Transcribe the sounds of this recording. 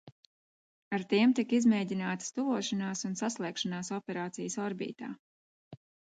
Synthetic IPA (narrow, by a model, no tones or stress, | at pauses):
aɾt̪iɛmt̪ikizmɛːɟʲinaːt̪st̪uvuɔʃanaːsunsaslˠɛːkʃanaːsɔpʲɛɾaːt̪sijəsɔɾbḭːt̪a̰ː